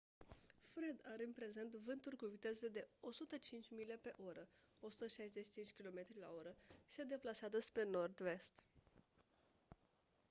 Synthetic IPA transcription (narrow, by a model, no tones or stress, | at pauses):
fɾed̪aɾeɨnpɾe̞ze̞nt̪vɨnt̪urkuvit̪e̞zed̪e̞o̞sut̪ət͡ʃint͡ʃʲmile̞pe̞ʔo̞ɾəo̞su̥t̪əʃajzet͡ʃʃi̥t͡ʃint͡ʃʲkʲilo̞me̞t̪ɾila̰o̞ɾəʃi̥se̞d̪e̞plasazəspɾe̞no̞rd̪ve̞st̪